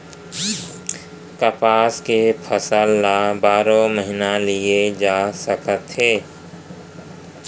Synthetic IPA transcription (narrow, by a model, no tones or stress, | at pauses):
kəpaːskepʰəsəlːabaːɾõməɦɪnalied͡ʒaːsəkət̪ɦeː